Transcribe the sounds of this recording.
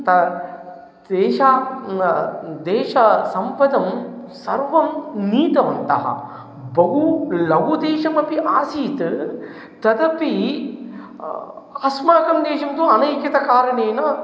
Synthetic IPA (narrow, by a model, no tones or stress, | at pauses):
t̪ɐ | d̪eːʃa | d̪eːʃɐsɐmpɐd̪ɐmsɐɾʋɐmniːt̪ɐʋɐnt̪ɐ̰ɦɐ̰ | bɐɦulɐʋud̪eːʃɐmɐpiʔaːsiːt̪ | t̪ɐd̪ɐpi | ɐsmaːkɐmd̪eːʃɐmt̪uɐnɐjkjɐt̪ɐkaːɾɐneːnɐ